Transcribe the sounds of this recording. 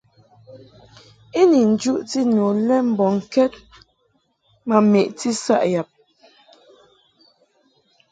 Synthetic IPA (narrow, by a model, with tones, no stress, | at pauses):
e˦ni˨n̩˨d͡ʒu˦ʔti˦no˨lɛ˦m̩˨bɔ˨ŋ̩˨kɛ˦t̚ | ma˨me˨ʔti˦sa̰˦ʔja˨p̚